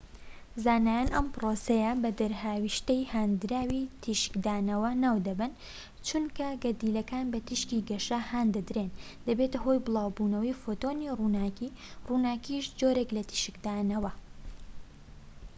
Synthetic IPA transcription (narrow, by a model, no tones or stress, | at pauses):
zaːnaːjanʔɐmpɾoːsɐjɐbɐd̪ɐɾhaːwiʃt̪ɐjhaːnd̪ɾaːwit̪ʰiʃɨ̥kd̪aːnɐwɐnaːwd̪ɐbɨn | t͡ʃunkɐɡɐd̪iːlɐkaːnbɐt̪ʰiʃkiːɡɐʃahaːnd̪ɐd̪ɾeːnd̪ɐbet̪ɐɦo̞jbɨlˠɑːwbuːnɐwɐjfot̪oniruːnaːkiːruːnaːkiʃd͡ʒoːɾe̞klɐt̪ʰi̥ʃɨkd̪aːnɐwɐ